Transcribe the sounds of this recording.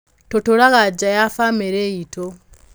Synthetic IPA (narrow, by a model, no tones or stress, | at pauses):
totoɾaɣad͡ʒajafameɾeitʰo